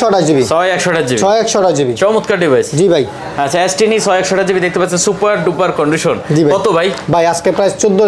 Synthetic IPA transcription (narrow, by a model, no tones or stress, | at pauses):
ɔʈad͡ʑibisʰɔeɛkʃɔʈad͡ʑibʃiɔɛkʃɔɖad͡ʑibit͡ɕɔmut̪kaɾɖibʱajsd͡ʑibʱaj | at͡ɕʰaesʈinit͡ɕʰɔeɛkʃɔʈad͡ʑibid̪ek̚ʰt̪epat̪ːt͡ɕʰensupaɾɖupaɾkɔɳɖiʃond͡ʑibʱakɔt̪obʱajbʱajad͡ʑkepɾajt͡ɕod̪ːo